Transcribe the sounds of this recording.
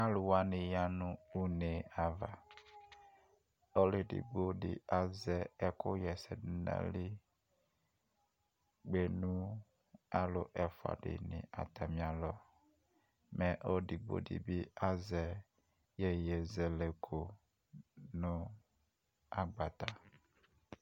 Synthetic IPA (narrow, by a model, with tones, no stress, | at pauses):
a˦lʊ˨wa˦nɪ̃˨ja˦nʊ̃˦u˦ne˨a˨va˨ | o˦lɪ˨dḭ˨ɡ͡bo˦dɪ̰˨a˨zɛ˨ɛ˦kʊ˦jɛ˨sɛ˨dɪ˦na̰˦lɪ˦ | ɡ͡be˨nũ˦ | a˦lʊ˨ʔɛ˨fwa̰˨dɪ̰˨nɪ̰̃˨ʔa̰˨t̪ʰa˨mĩ˨a˨lɔ˦ | mɛ̃˨ʔɔ˦di˨ɡ͡bo̰˦dḭ˨bi˦a˦zɛ˨ | jɛ˦jɛ˨zɛ˨le˨kʰo˨ | nʊ̃˦ | a˦ɡ͡ba˨t̪a˨